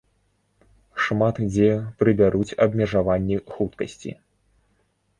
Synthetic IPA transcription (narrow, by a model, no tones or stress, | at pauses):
ʂmat̪d͡zʲɛpɾɨbʲaɾut͡sʲɐbmʲɛʐavanʲːixut̪kɐsʲt͡sʲḭ